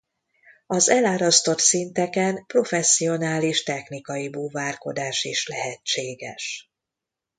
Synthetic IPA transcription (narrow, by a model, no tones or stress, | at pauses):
ɒzɛlaːɾɒst̪o̞t̪sint̪ɛkɛnpro̞fɛsːio̞naːliʃt̪ɛxnikɒjibuːvaːrko̞̰d̪aːʃiʃlɛɦɛt͡ʃːeːɡɛ̰ʃ